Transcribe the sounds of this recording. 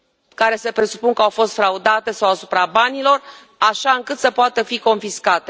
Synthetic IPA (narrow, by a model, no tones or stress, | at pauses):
kaɾe̞se̞pɾe̞su̥punŋkəawfo̞st̪fɾaud̪at̪e̞sawasupɾabanilo̞r | aʃaɨŋkɨt̪səpoat̪əfiko̞nfiskat̪e̞